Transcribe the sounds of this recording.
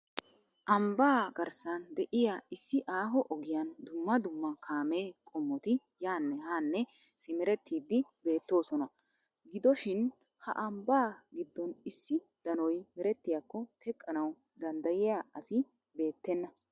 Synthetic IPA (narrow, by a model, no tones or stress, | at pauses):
ʔɐmbaːɡɐɾsɐnd̪ɛʔɪjaɪsːɪʔaːɦɔʔɔɡɪjand̪ʊmːɐd̪ʊmːɐkʰaːme̞ːkʼɔmːɔt̪ɪ | jaːnːɛhaːnːɛ | sɪmɛɾɛt̪ːiːd̪ːɪbe̞ːt̪ːo̞ːsɔnɐ | ɡɪd̪ɔʃɪn | hɐ̰ʔɐmbaːɡɪd̪ːɔnɪsːɪ | d̪̥ɐnɔjmɛɾɛt̪ːɪjakːɔt̪ʰɛkʼːɐnɐw | d̪ɐnd̪ɐjɪjaɐsɪ | be̞ːt̪ːɛnːɐ